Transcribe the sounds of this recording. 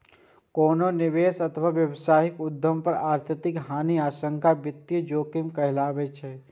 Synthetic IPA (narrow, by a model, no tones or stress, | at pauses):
koːnonɪʋeːsɐt̪ʰəʋaːʋjɐwsaːɦɪkʊd̪ʱːəmpəɾaːɾt̪ʰət̪ɪkɦaːniaːʃə̃ŋkʰabɪt̪ːjəd͡ʒoːkɪmkɐɦɪlaːbet͡ʃʰɛ